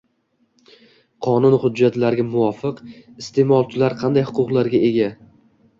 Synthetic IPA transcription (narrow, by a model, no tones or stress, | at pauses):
qʰɒnʊnhʊd͡ʒːat̪laɾɡʲamʊwɒfɨqɪst̪ʰe̞mɒlˠt͡ʃʰɪlaɾqʰɑnd̪ajhʊqʊqlˠaɾɡʲae̞ɡʲa